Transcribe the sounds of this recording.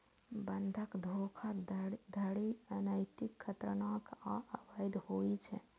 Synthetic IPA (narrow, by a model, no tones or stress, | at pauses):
bənd̪ʱəkd̪ʱokʰad̪ʱəɽiənəjt̪ikʰːət̪ɾənakaʔəbəjd̪hoit͡ʃʰɛ̰